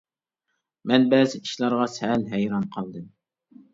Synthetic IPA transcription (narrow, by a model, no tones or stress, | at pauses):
mɛnbɛːzɪi̥ʃlˠɑɾʁɑsælɦɛjɾɑnqʰɑlˠd̪ɨm